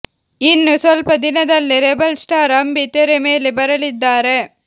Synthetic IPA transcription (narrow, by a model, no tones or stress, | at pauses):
inːusɔlpɐd̪ɪnɐd̪ɐlːiɾebɐlsʈaːɾɐmbit̪ːeɾemeːlibɐɾɐlid̪ːaːɾe